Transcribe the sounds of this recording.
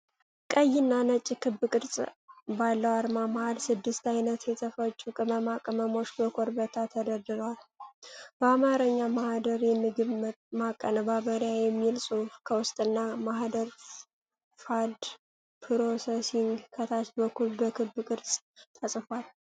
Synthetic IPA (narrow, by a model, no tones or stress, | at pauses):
kʼəjːɪnːanət͡ʃʼːikʰɨbɨkʼɨɾsʼbalːəwaɾmamahalsɨd̪ːɨst̪ajnət̪jɛt̪ʰəfət͡ʃʼːukʼɨməmakʼəməmo̞ʃbəkʰo̞ɾbət̪ʰat̪ʰəd̪əd̪ɨɾwal | bəamaɾəɲːamahd̪əɾjɛmːɨɡɨət̪makʼːənəbaβəɾjajɛmːilsʼufkʰəwʊst̪ʼɨnːamaɦd̪əɾ | fad̪ | pʰɨɾosesiŋɡkʰət̪ʰat͡ʃbəkːulbəkʰɨbːɨkʼɨɾsʼ | t̪ʰəsʼfal